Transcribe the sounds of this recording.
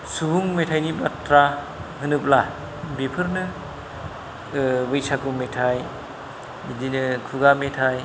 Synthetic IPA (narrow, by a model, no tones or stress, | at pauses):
suɦuŋmetʰajnibatɾa | hɯnɯpla | bipʰɯɾnɯ | bɯjsakumetʰaj | bidinɯkʰuɡametʰaj